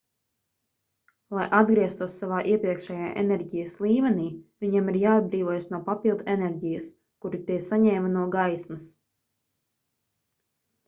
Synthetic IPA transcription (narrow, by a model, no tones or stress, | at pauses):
lˠajʔad̪ɡɾiɛst̪uɔsːavaːʔiɛpɾiɛkʃɛjaːʔḛnɛɾɟijəslˠiːmɛniːvʲiɲamiɾjaːad̪̚bɾiːvoɔjəsnuɔpapilˠd̪uenɛɾɟijɐs | kuɾit̪iɛsaɲɛːmɐnuɔɡajsmɐs